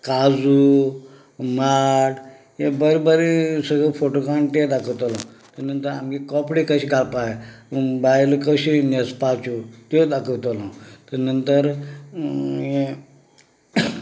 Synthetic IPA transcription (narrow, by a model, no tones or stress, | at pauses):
kad͡zu | maʈ | jebəɾibəɾisəɡɭəfoʈokaɳʈ̪ed̪akʰəwt̪ɔlɔ̃ | t̪ənənt̪əɾa̰mkikɔpɽikəɕiːɡalpaebajlkəɕinespat͡sut̪od̪akəwt̪ɔlãt̪ənənt̪əɾ | jẽ